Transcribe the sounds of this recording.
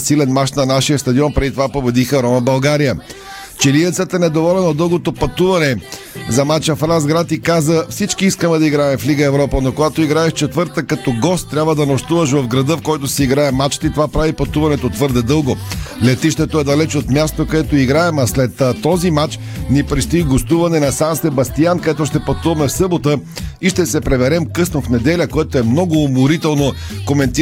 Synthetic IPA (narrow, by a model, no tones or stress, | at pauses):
silɛnmat͡ʃnɐnaʃijəst̪ɐd̪iɔnpɾɛd̪it̪ovapobɛd̪ixəɾɔməbɐlˠɡaɾijə | t͡ʃɛliɛt̪sɛt̪ɛnɛd̪ovɔlʲɛnod̪ɤlˠɡot̪opɐt̪uvɐnɛ | zɐmat͡ʃɐfɾanzɡɾat̪ikazəfsit͡ʃkiiskəmɛd̪ɐiɡɾaɛmfliɡəɛvɾɔpənokoɡat̪oiɡɾaɛʃt͡ʃɛt̪vəɾt̪əkɐt̪ɔɡɔst̪ːɾʲabvəd̪ɐnoʃt̪uvəʃ̬vɐvɡɾɐd̪əfkɔjt̪osɛiɡɾaɛmat͡ʃt̪ɛit̪ovapɾavipɐt̪uvɐnɛt̪ot̪vɤɾd̪ɛd̪ɤlˠɡolɛt̪iʃt̪ɛt̪oɛd̪ɐlɛt͡ʃot̪mʲjast̪okɐɛt̪oiɡɾaɛmɐslɛt̪ːt̪ːɔzimat͡ʃ | nipɾist̪oiɡost̪uvɐnɛnɐsansɛbɐst̪iankɐd̪ɛt̪oʃt̪ɛpɐt̪uvɐmɛfsɤbot̪ə | iʃt̪ɛsɛpɾɛvɛɾɛmkɤsnofnɛd̪ɛlʲəkoɛt̪oɛmnɔɡoːmʊɾit̪ɛlˠno | komɛnt̪i